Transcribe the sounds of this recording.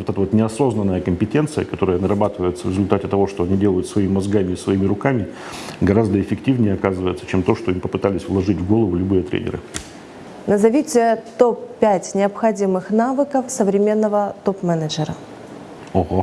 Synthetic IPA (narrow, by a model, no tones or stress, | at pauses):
vot̪ɛt̪əvot̪nʲɪɐso̞znənːəjəkəmʲpʲɪtʲe̞nt̪sɨjəkɐt̪o̞ɾəjənəɾɐbat̪ɨvəjɪt̪səvɾʲɪzʊlʲt̪atʲɪt̪ɐvo̞ʂt̪o̞ɐnʲidʲe̞lˠəjʊt̪svɐimʲɪmːɐzɡamʲɪɪsvɐimʲɪɾʊkamʲɪ | ɡɐɾazd̪əɪfʲɪktʲivnʲɪjəɐkazɨvəjɪt̪sə̥t͡ɕemt̪oʂt̪oimpəpɨt̪alʲɪsʲvlˠɐʐɨtʲvɡo̞lˠəvʊlʲʊbɨjət̪ɾʲḛnʲɪ̰ɾɨ̰ | nəzɐvʲitʲɪət̪opːʲætʲnʲɪɐpxɐdʲimɨxnavɨkəfsəvɾʲɪmʲe̞nːəvət̪opmɛnəd͡ʒɪɾə | oho